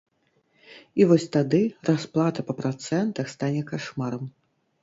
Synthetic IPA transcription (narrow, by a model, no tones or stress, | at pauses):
ivɔsʲt̪ad̪ɨrasplˠat̪ɐpɐpɾat̪sɛnt̪ɐxst̪anʲɛkaʂmaɾɐm